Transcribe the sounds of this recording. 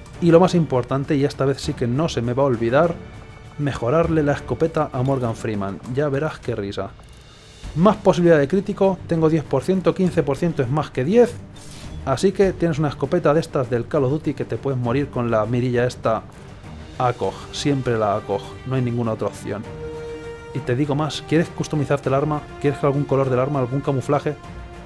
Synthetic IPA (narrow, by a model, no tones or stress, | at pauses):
ilo̞masimpo̞ɾt̪ant̪e̞ie̞st̪aβe̞θsike̞no̞se̞me̞βao̞lβiðaɾ | me̞xo̞ɾaɾle̞lae̞sko̞pe̞t̪aʔamo̞ɾɣaɱfɾimãnɟ͡ʝaβe̞ɾaske̞risa̰ | maspo̞siβiliðaðe̞kɾit̪iko̞t̪e̞ŋɡo̞ðje̞θpo̞ɾθje̞nt̪okinθe̞po̞ɾθje̞nt̪oe̞zmaske̞ðje̞θ | asike̞t̪je̞ne̞sunaesko̞pe̞t̪aðe̞st̪azðe̞lkalo̞ðut̪ike̞t̪e̞pwe̞ðemo̞ɾiɾko̞nlamiɾiʎae̞st̪a | ako̞xsje̞mpɾe̞laːko̞x | noajnĩŋɡunao̞t̪ɾaopθjo̞̰n | it̪e̞ðiɣo̞maskje̞ɾe̞hkust̪omiθaɾt̪elaɾmakje̞ɾekɾalɣuŋko̞lo̞ɾðe̞laɾmaːlɣuŋkamuflaxe̞